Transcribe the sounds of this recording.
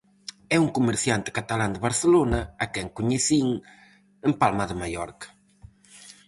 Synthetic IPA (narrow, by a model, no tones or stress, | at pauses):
ɛuŋkumeɾθjant̪ɪ̥kat̪aland̪ɪβaɾθelonɐakɛŋkuɲeθiŋ | empalmaðɪmajɔɾkḁ